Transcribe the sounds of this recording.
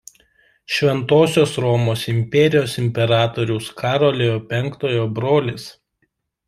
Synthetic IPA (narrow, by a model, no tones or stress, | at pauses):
ʃʲʋʲɛnt̪oːsʲoːsɾɔmoːsɪmʲpʲɛɾʲɪjoːsɪmʲpʲɛɾɑːt̪oːɾʲʊʊskʰɑːɾoːlʲejoːpʲɛŋˑkt̪oːjoːbɾoːlʲɪs